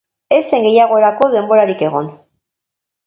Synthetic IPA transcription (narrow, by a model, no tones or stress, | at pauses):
e̞seŋɡe̞jaɣ̞o̞eɾako̞ðe̞mbo̞ɾaɾike̞ɣ̞o̞n